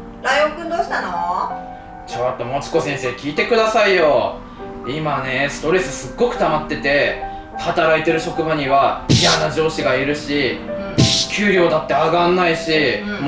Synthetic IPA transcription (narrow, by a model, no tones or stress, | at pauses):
ɾaijõpɯ̟nd̪oːɕi̥t̪ano | t͡ɕot̪ːo̞mo̞t͡ɕi̥ko̞sẽ̞ɰ̃se̞ːkʲiːt̪e̞kɯ̟d̪asaijo̞ | imane̞sɨ̥t̪o̞ɾe̞sɨsɨɡːo̞kɯ̟̥t̪amat̪ːe̞t̪e̞ | hat̪aɾait̪e̞ɾɯ̟ɕo̞kɯ̟baɲ̟iβaijanad͡ʑo̞ːɕiɡaiɾɯ̟ɕi | kʲʰɨːɾʲjo̞ːd̪at̪ːe̞aɡãnːaiɕim